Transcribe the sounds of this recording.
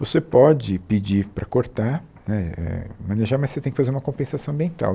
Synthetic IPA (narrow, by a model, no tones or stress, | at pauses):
vosepɔd͡ʒɪpɪd͡ʒiɾpɾɐkoɾt̪a | nɛɛ̰mɐ̃neʒaɾmɐset̪ẽjkɪfazeɾũmɐkõpẽsasɐ̃w̃ɐ̃mbiẽnt̪a̰w